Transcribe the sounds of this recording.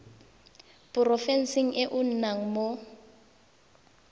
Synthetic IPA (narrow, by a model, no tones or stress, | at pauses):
pʊrɔfɛn̩siŋ̩ʔɛʔʊn̩naŋ̩mo